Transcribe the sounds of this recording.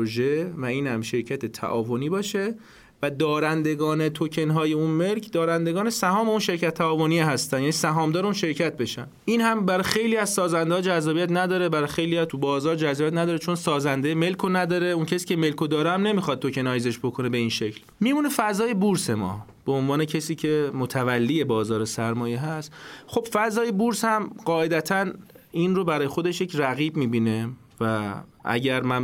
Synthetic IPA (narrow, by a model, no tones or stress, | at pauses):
ʒevæiːnhæmʃe̞ɾcʰæt̪ʰet̪ʰæ̰ʔɒ̰ːvoniːbɒːʃe̞ | væd̪ɒːɾænd̪e̞ɡɒːne̞t̪ʰocʰe̞nɦɒːjeunme̞lcʰd̪ɒːɾænd̪eɡɒːnesæhɒːme̞unʃe̞ɾcæt̪ʰːæɒːvonieɦæst̪ænjæːnisæɦɒːmd̪ɒːɾeunʃe̞ɾcʰæt̪̚be̞ʃænd̪ʔiːnhæmbæɾɒjxe̞jliæzsɒːzænd̪eɒːd͡ʒæzːɒːbiæt̪næd̪ɒːɾebæɾɒjxe̞jliːæt̪ʰubɒːzɒːɾd͡ʒæzːjæt̪næd̪ɒːɾet͡ʃʰo̞nsɒːzænd̪eme̞lkʰonæd̪ɒːɾeuncʰæsi̥ːcʰeme̞lkʰod̪ɒːɾɛæmne̞mixɒd̪̚t̪ʰːo̞cʰe̞nɒːjeze̞ʃbo̞kʰo̞nebe̞inʃe̞cʰl | miːmuːnefæzɒːje̞buɾse̞mɒ̰ː | b̥eonvɒːne̞cʰesiːcʰe̞mot̪ʰævælːiːje̞bɒːzɒːɾesæɾmɒːjeɦæst̪xo̞b̥fæzɒːjebuɾshæmɢɒːe̞d̪æt̪ʰæninrobæɾɒːjexo̞d̪eʃje̞cʰræɣiːbmiːbine̞ | væʔæ̰ɟæɾmæn